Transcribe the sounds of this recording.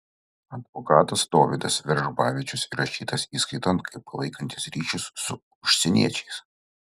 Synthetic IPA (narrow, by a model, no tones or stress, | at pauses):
ɐd̪ʋɔkɑːt̪ɐst̪oːʋʲɪd̪ɐsʋʲɛɾʒbɑːʋʲɪt͡ʃʲʊsiɾɐʃʲiːt̪ɐsiːskɐɪt̪ɐnt̪̚kʰɐɪpːɐlˠɐɪkɐnʲt̪ʲɪsɾʲiːʃʲʊsːʊ | ʊʃʲsʲɛnʲḭɛt͡ʃʲɛɪs